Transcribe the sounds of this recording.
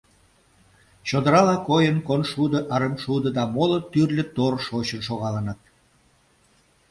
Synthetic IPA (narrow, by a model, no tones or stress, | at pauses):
t͡ɕod̪əɾɑlɑkojənkonʃud̪ə̆ʔɑɾəmʃud̪ə̆d̪ɑmolot̪yrlʲə̆t̪orʃot͡ɕənʃoɣɑlənɑt̪̚